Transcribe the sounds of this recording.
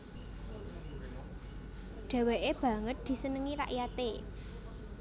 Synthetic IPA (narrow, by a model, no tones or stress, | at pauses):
ɖ̥a̤weʔeb̥ä̤ŋət̪̚d̪̥i̤sənəŋiɾa̰ʔjat̪e